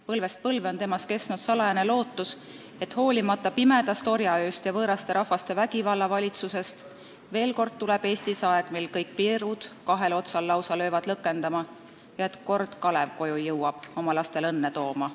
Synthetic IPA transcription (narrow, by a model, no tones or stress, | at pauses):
pɤlve̞st̪̚pɤlveo̞nt̪e̞mɑske̞snud̪sɑlɑjɑne̞lo̞ːt̪ːˑus | e̞t̪ho̞ːlʲimɑt̪ːˑɑpime̞d̪̥ɑst̪o̞ɾjɑøːst̪jɑvɤːɾɑst̪e̞ɾɑhvɑst̪e̞væɡ̥ivɑlːɑvɑlʲit̪suse̞st̪ | ve̞ːlko̞rd̪̥̚t̪uleb̥e̞ːst̪isɑe̞ɡ̥milkɤjk̚piɾud̪̥kɑɦe̞lo̞t̪sɑlːɑwsɑlø̞ːvɑd̪̥lɤkːˑe̞nd̪ɑmɑ | jɑe̞t̪ko̞rd̪̥kɑle̞vko̞jujɤwɑb̥o̞mɑlɑst̪e̞lɤnːet̪o̞ːmɑ